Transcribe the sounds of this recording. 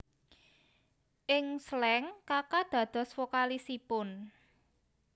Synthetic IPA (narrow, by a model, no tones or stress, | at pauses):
ʔɪŋslɛŋkakad̪̥a̤d̪̥ɔ̤sfokalisipʊn